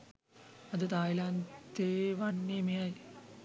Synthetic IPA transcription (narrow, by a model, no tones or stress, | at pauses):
ɐðɨt̪aːjilaːnt̪eʋɐnːimijaːj